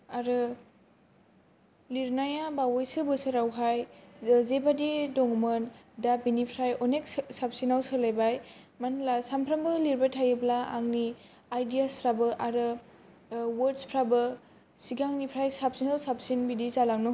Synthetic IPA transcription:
aɾɯ | liɾnajabawɔjsɯbɯsɯɾawɦajzebadidɔŋmɯndabinipʰɾajɔneksap̚sinawsɯlajbaj | manlasampʰɾambɯliɾbatʰajɯblaa̰ŋni | ajdijaspʰɾabɯʔaɾɯ | wɔdspʰɾabɯ | siɡaŋnipʰɾajsap̚sinawsap̚sinbidizalaŋnɯ

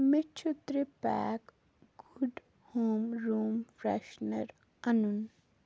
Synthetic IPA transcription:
mɪt͡ʃʰut̪ɾipæ̰ːk | ɡuɖ | hoːmɾuːmfʰɾɛ̰ʃnəɾ | ɐnun

